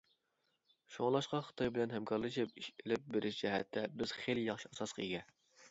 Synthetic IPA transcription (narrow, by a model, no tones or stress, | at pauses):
ʃoŋlˠɑʃqɑχə̥t̪ʰɑjbɪlɛnɦɛmkʰɑɾlˠɨʃipiʃɪlɪp̚beɾʔɪʃd͡ʒɛɦɛ̰t̪ʰːɛbɪz̥χeljɑχʃiɑsɑsqʰəjɡʲɛ